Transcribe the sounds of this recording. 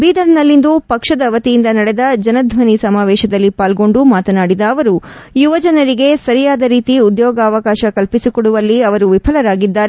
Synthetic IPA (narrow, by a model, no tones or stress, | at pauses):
biːd̪ɐɾnɐlːind̪upɐkʂɐd̪ɐʋɐt̪ijind̪ɐnɐɽed̪ɐd͡ʒɐnɐd̪ʱʋɐnisɐmaːʋɛːʃɐd̪ɐlːipaːlɡo̞ɳɖumaːt̪ɐnaːɽid̪ɐːʋɐɾu | juʋɐd͡ʒɐnɐɾiɡe̞sɐɾijaːd̪ɐɾiːt̪iud̪jɔːɡɐːʋɐkaːʃɐkɐlpisikoɽuʋɐlːiɐʋɐɾuʋipʰɐlɐɾaːɡid̪ːaːɾe